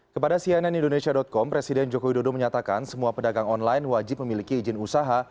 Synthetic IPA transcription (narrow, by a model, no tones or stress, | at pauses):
kəpadasiananindonesiadɔt̪̚kɔmpɾesidɛnd͡ʒokowidodoməɲat̪aka̰nsəmuapədaɡaŋɔnlajnwad͡ʒɪp̚məmilikiːd͡ʒɪnusaɦa